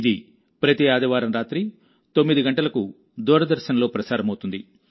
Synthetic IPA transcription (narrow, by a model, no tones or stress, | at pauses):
id̪i | pɾɐt̪iaːd̪ɐʋaːɾɐmɾaːt̪ɾi | t̪o̞mːid̪iɡɐɳʈɐlɐku | d̪uːɾɐd̪ɐɾʃɐnɐlo̞ːpɾɐsaːɾɐmɐwut̪und̪i